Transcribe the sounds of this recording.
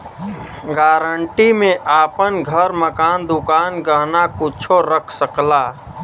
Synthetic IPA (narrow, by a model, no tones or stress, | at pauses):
ɡaːɾəɳʈimẽʔaːpənɡʱəɾməkaːnd̪ʊkaːnɡəɦnakʊt͡ʃʰoɾəkʰsəklaː